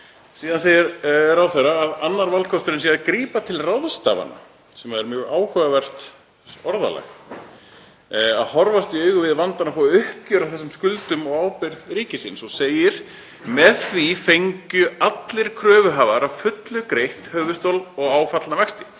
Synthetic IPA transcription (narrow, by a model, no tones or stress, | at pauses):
siːðanseːjɪɾɾawθɛraːðanːaɾvalkʰɔst̪ɾɪnsjɛakɾiːpat̪ʰɪlraðst̪a̰ːva̰na̰ | sɛmaðɛɾmjœːɣaːwhœɣavɛr̥t̪ | ɔɾða̰lɛ̰x | aðhɔɾvast̪iœːɥɣʏvɪðvant̪anafɔʏhp̚cœɾaθɛsːʏmskʏlt̪ʏmɔɣaːwpɪɾðɾiːcɪsɪnsɔseːjɪɾ̥ | mɛðθvifejɲcʏat̪lɪɾ̥kʰɾœːvʏɦaːvaɾavfʏt̪lʏkɾejht̪hœːvʏst̪owlɔɣaːwfat̪lavɛkst̪ɪ̥